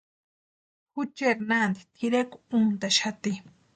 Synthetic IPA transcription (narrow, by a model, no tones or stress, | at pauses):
xut͡ʃeɾnand̪t̪ʰiɾekunt̪aʃat̪i